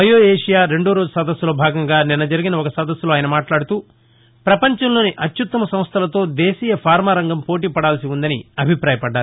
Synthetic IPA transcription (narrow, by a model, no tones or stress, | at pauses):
ɐjoːeːʂijaːɾe̞ɳɖoːɾo̞ːd͡ʒusɐd̪ɐsːulo̞ːbʱaːɡɐŋɡaːninːɐd͡ʒɐɾiɡinɐɔkɐsɐd̪ɐsːuloːaːjɐnɐmaːʈlaːɽut̪uː | pɾɐpɐɲt͡ʃɐmlo̞ːniʔɐt̪jut̪ːɐmɐsɐ̃mst̪ʰɐlɐt̪o̞ːd̪eːsiːjɐpʰaːɾmaːɾɐŋɡɐmpo̞ːʈ̬iːpɐɽaːlɐsiund̪ɐnḭɐbʱipɾaːjɐpɐɖːaːɾu